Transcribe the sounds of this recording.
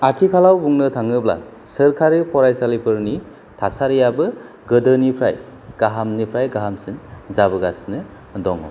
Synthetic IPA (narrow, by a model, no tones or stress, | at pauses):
atʰikʰalawbuŋnɯtʰaŋɯbla̰ | səɾkʰaɾipʰɔɾajsalipʰɯɾni | tʰasaɾijabɯ | ɡɯdɯnipʰɾa̰j | ɡ̥aɦamnipʰɾajɡaɦamsinzabɯɡasnɯ | dɔŋɔ̰